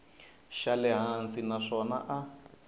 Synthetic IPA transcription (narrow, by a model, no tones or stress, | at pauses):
ʃalɛɦansinaʂɔna̰ʔa